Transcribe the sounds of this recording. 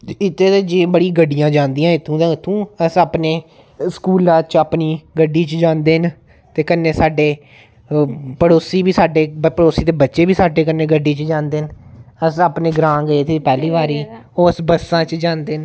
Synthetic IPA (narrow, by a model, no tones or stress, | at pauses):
ɪt̪ːeːt̪eːd͡ʒẽːbəɽĩːɡəɖːijãːd͡ʒãːnd̪iːãːɪt̪ʰːũːd̪ãːɪt̪ʰːũːəsaːpneː | skuːlãːt͡ʃəpniːɡəɖiːt͡ʃd͡ʒãːnd̪eːn | t̪eːkənːeːsaːɖeː | pəɽoːsiːbiːsaːɖeːəpəɽoːsiːt̪eːbətːʃeːbiːsaːɖeːkənːeːɡəɖːiːt͡ʃd͡ʒãːnd̪eːnəsaːpneːɡɾãːɡəeːt̪ʰepɛːliːʋaːɾiːoːəsbəsãːt͡ʃd͡ʒãːnd̪eːn